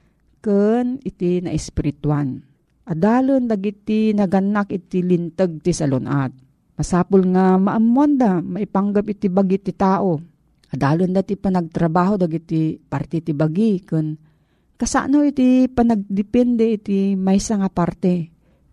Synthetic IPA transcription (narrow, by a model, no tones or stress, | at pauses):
kɨnɪt̪inɐ̰ʔɪspɪɾɪt̪wan | ʔɐd̪aːlond̪aɡit̪inɐɡɐnːakɪt̪ilɪnt̪əɡ̚t̪isɐlonʔat̪̚ | mɐsaːpʊlŋamaʔamːand̪amɐipaŋɡapɪt̪ibaɡit̪it̪aːʔo | ʔɐd̪aːlond̪at̪ipanɐɡ̚t̪ɾɐbaːɦod̪aɡit̪ipaɾt̪ɛt̪ibaɡikɨn | kɐsa̰ʔnowit̪ipɐnɐɡ̚d̪ɪpɛnd̪ɛit̪imajsaŋapaɾt̪ɛ